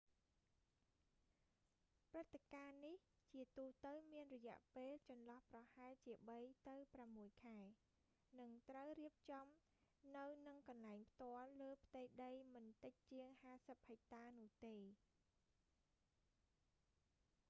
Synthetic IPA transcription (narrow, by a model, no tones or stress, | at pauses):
prɨt̪ːekaːniht͡ɕiət̪uːt̪əwmiənrɔjɛ̆əʔpeːlt͡ɕɑnlɑhprɑhaɛlt͡ɕiəɓəjt̪ɨwpramːuəjkʰaɛ | nɨŋt̪rəwriəp̚t͡ɕɑm | nɨwnɨŋkɑnlaɛŋpʰt̪ŏəlːəːpʰt̪əjɗəjmɨnt̪ɨc̚t͡ɕiəŋhaːsəp̚həjt̪aːnʊ̆əht̪eː